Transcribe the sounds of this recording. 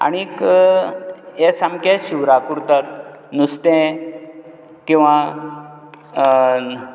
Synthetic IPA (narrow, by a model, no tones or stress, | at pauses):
a̰ɽ̃ik | esamkeɕuwɾakuɾt̪at̪ | nust̪ẽ | kĩw̃ʋã